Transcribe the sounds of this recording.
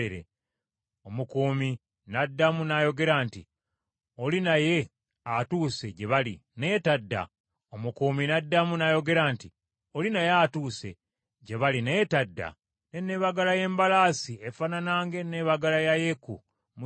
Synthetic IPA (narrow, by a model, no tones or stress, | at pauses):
eɾḛ | omukuːmi | nadːamunajo̞ɡe̞ɾaːnti | olinaje̞ | atuːse̞ɟe̞βaline̞ːtadːa̰ | omukuːminadːamunajo̞ɡe̞ɾaːnti | o̞linajatuːse̞̰ | ɟe̞βaline̞ːtadːa̰ | nenːeβaɡalaje̞ːmbalaːsiefananaːŋɡe̞neβaɡalajajeku | mu